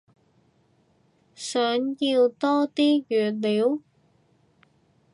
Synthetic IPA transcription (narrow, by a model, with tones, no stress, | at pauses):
sœː˨˥˦nji˧wt̪ɔː˥t̪iː˥jyː˨˩t̚liː˨˦w